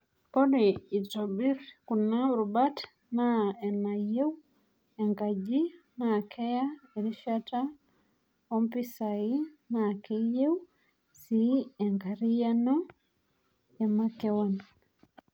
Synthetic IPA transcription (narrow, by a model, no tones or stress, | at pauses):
kɔdeitobiɾkunaɾubat | naɛnajew | ɛŋɡad͡ʒinakʰɛjaeɾiʃata | ɔmpisainakejew | siɛŋɡaɾijanu | jamakɛwan